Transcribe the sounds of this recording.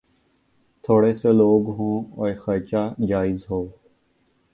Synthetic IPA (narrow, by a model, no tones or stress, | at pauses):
t̪ʰoːɽeːseloːɡɦõːɔːɾxət͡ʃaːd͡ʒaːɪzɦoː